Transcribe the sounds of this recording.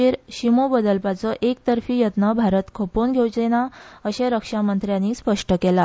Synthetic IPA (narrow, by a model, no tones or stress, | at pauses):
eɾɕimobəd̪əlpat͡sɔʔek̚t̪əɾfiːjət̪nəbʱaɾət̪kʰoponɡʱewt͡ɕenaəɕeɾəkʂamənt̪ɾjãnːiːspəʂʈəkela